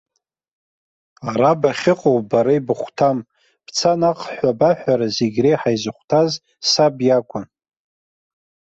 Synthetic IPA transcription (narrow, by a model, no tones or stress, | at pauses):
aɾabaχʲɪqʼowbaɾaibɨχʷtʰam | b̥t͡sʰanaqʼħʷabaħʷᶣaɾazeɡʲrejħajzɨχʷtʰaz | sabjakʷʰʼa